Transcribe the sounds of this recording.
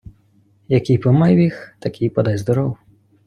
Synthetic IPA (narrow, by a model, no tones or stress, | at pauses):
jakʲijpɨmajwʲixt̪ɐkʲʰijpɐd̪azʲzd̪ɔɾɔw